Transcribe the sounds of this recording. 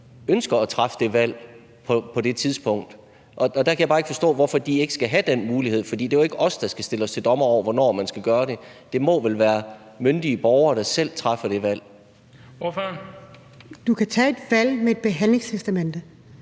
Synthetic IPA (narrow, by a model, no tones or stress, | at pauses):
ønsɡ̥ɐːt͡sʰʁafəd̥e̝ʋæl̰ | pʰɒ̽pʰɒ̽d̥e̝t͡sʰiðˠsb̥ɔ̽ŋ̰d̥ | ʔɒ̽ːd̥ækʰæjbɑ̈ːeɡəfɒsd̥ɔ̰̽ːʋɒfɒ̽d̥ie̝ɡ̥ə̥sɡ̥æɦæd̥enmuːlihe̝ð̰ˠfɒdḭːd̥e̝æe̝ɡ̥əʔɒ̽sd̥ɑ̈sɡ̥æsd̥e̝ləɒ̽st͡sʰe̝ld̥ɒ̽mɐɒʊ̰ɐʋɒnɒ̰ːmænsɡ̥æɡ̥ɶːɐɾ̥e̝d̥e̝mɒ̽ʋelʋæːɐ | mønd̥iəb̥ɒʊɐːd̥ɑ̈sel̰t͡sʰʁɑfɐd̥e̝ʋæl̰ | oføn | d̥ukʰæt͡sʰɛ̰e̝d̥ʋæl̰meed̥̚b̥e̝ɦæn̰leŋst͡sʰesd̥æmend̥